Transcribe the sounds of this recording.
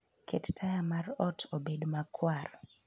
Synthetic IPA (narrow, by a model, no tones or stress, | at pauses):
kʰettʰajamarɔtʰobedmakʰwar